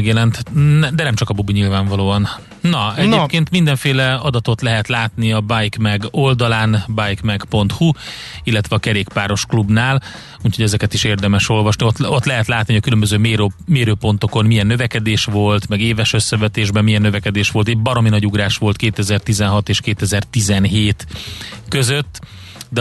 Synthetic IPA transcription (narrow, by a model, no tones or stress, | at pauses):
ɡjɛlɛnt̪nɛd̪ɛnɛmt͡ʃɒkɒbubiɲilvaːɱvɒloːɒnː | ɒɛepkeːnt̪mind̪ɛɱfeːlɛɒd̪ɒt̪o̞t̪lɛɦɛt̪laːt̪niɒbajkmɛɡo̞ld̪ɒlaːnbajkmɛɡpo̞nt̪hu | ilːɛt̪ʋɛɒkɛɾeːkpaːɾo̞ʃklubnaːl | uːcho̞ɟɛzɛkɛt̪iʃeːrd̪ɛmɛʃo̞lvɒʃniot̪ot̪lɛɦɛt̪laːt̪niɒkylømbøzøːmeːɾomeːɾøːpo̞nt̪o̞ko̞nmijɛnːøvɛkɛd̪eːʃʋo̞lt̪mɛɡeːvɛʃøsːɛvɛt̪eːʒbɛmːijɛnːøvɛkɛd̪eːʃʋo̞lt̪ɛɟbɒɾo̞minɒɟuɡɾaːʃʋo̞lt̪keːt̪ɛzɛrt̪izɛnɦɒt̪eːʃkeːt̪ɛzɛrt̪izɛnɦeːt̪køzøt̪ː | d̪ɛ